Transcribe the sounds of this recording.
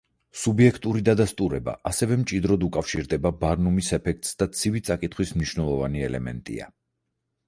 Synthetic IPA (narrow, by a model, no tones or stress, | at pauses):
subiɛkʰt̪ʼuɾid̪ad̪ast̪ʼuɾɛba̰ʔasɛvɛmt͡ʃʼid̪ɾɔd̪ukʼafʃiɾd̪ɛbabaɾnumisɛpʰɛk̚ʰt̪ʼsd̪at̪sʰivit̪sʼakʼit̪ʰχwismniʃvnɛlˠɔvaniɛlɛ̰mɛ̰nt̪ʼḭa̰